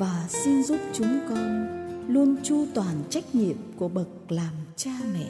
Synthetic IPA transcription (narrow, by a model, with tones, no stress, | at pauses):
vaː˨˩si˧nzu˦˥p̚t͡ɕʊ˨˦ŋ͡mkɔ˧nlu˧ənt͡ɕu˧t̪waː˨˩nt͡ɕa˦˥jk̟̚ɲḭ˧˨əmku˧˩əɓə˨˩k̚laː˨˩mt͡ɕaː˧mɛ̰˧˨